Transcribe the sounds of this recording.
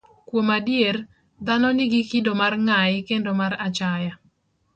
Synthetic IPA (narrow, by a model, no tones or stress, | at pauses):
kwomadier | d̪anɔnɪɡɪkidomarŋajɪkendomaɾat͡ʃaja